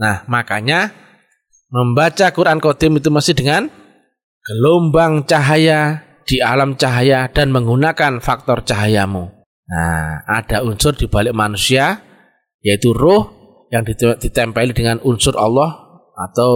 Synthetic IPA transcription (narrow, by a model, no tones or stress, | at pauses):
nahmakaɲa | məmbat͡ʃakuɾʔankod̪̥ɪmit̪uməsɪdəŋan | ɡ̥əlombaŋt͡ʃaɦaja | d̥ialamt͡ʃaɦajad̥anməŋɡunakanfak̚t̪ɔrt͡ʃaɦajamu | na̰a̰d̥aunsʊrd̥ib̥alɪk̚manusia | jait̪urʊh | jaŋdid̥it̪ɛmpɛlidəŋanʔunsʊrɑ̰lːɔh | at̪aw